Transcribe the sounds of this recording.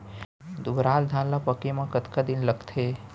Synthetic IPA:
d̪ʊbɾaːld̪ʱãːnlapəkemãkət̪kad̪ɪnləɡt̪ʰe

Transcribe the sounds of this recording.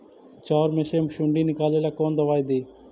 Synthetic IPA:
t͡ʃaːɾmeːseːməʃũːɳɖiːnɪkaːleːlaːkoːnd̪əʋaːid̪iː

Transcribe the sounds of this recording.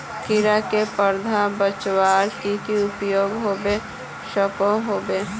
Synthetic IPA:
kɪɾakepəɾd̪ʱabət͡ʃwaːɾkikiʊpjoːɡɦoːbe | ʃəkõɦoːbe

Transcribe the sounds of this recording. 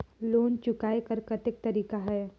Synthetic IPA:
loːnt͡ʃʊkaːekɐɾkɐt̪ɪk̚t̪ɐɾiːkaɦɛː

